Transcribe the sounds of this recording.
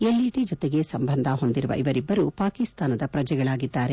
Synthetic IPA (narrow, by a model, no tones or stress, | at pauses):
elːiʈid͡ʒɔt̪eɡe̞sɐmbɐnd̪ʱaɦo̞nd̪iɾuʋɐ̰ʔiʋɐɾibːɐɾupaːkist̪aːnɐd̪ɐpɾɐd͡ʒɛɡɐɭaːɡid̪ːaːɾe̞